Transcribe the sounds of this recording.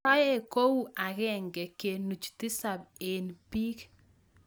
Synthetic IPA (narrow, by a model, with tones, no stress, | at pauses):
a˦jɛ˦ko˦wu˦ʔa˨ɣɛ˦ŋɡɛ˨ke˨nu˨t͡ʃtɪ˦sa˨be˨npiː˦k